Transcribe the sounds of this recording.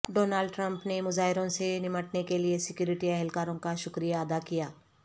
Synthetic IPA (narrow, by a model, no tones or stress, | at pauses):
ɖoːnaːlɖʈɾə̃mpnemʊzaːɦɪɾõsenɪməʈnekeliesɪkjuːɾɪʈiɛɦɛlkaːɾõkaʃʊkɾijaɐd̪akijaː